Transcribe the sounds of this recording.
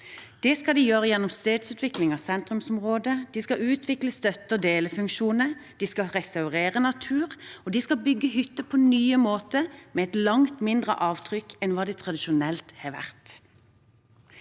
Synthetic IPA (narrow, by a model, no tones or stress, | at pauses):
d̪̥ɛskɑld̪ɪjøːʁəjɛnːɔmst̪eːd̪sʉːt̪ʋɪklɪŋɑsɛnt̪ɾʉmsɔmʁoːd̪əd̪iskɑʔʉːt̪ʰʋɪkləst̪œt̪əd̪eːləfʉŋkʃuːnəd̪̥iskɑʁɛst̪ɑʉʁeːʁənɑt̪ʰʉːʁɔd̪iskɑbʏɡːəɦʏt̪ːəpʰonyːəmoːt̪əmɛːɛt̪lɑŋt̪mɪnd̪ʁə̰ʔɑːʋt̪ʰʁʏkɛnʋɑːd̪ɛt̪ʰʁɑd̪ɪʃʊnɛlt̪hɑːʋæ̰ʁt̪